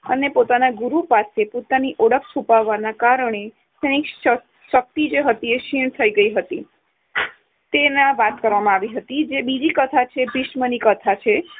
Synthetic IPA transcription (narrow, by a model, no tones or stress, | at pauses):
ənepot̪anaɡuɾupasepot̪aniʔɔɽəkʰsupaʋːanakaɾəɳ̃e | sənik | ʃək̚t̪id͡ʒeɦət̪ieʃiɳ̃t̪ʰəiɡəiɦət̪i | t̪enãʋat̪kəɾʋamãaʋiɦət̪id͡ʒebid͡ʒikət̪ʰat͡ʃʰebɪʃmənikət̪ʰat͡ʃʰe